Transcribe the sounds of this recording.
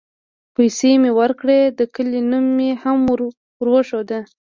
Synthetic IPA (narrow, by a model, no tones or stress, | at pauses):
pajsemewəɾkɽed̪əkəlinumːeham | ɾwəʃod̪a